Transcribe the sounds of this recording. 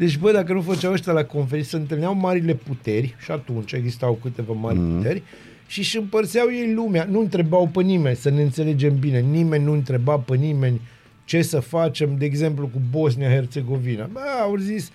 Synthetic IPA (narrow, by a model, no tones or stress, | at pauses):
d̪e̞t͡ʃʲbəjd̪akənufət͡ʃawəʃt̪ʲjalako̞nfeɾinsəɨnt̪ɨlneawmaɾile̞put̪e̞rʲʃiat̪unt͡ʃe̞ɡzist̪awkɨt̪e̞vama̰rʲput̪e̞rʲ | ʃiʃɨmpərsiawje̞jlumeanuɨnt̪ɾe̞bawpənime̞nʲsəneɨnt̪se̞le̞d͡ʒe̞mbine̞nime̞nʲnuɨnt̪ɾe̞bawpənime̞nʲ | t͡ʃe̞səfat͡ʃe̞md̪e̞ːɡze̞mplukubo̞s̬nijaɦe̞rt̪se̞ɡo̞vinəbaawzis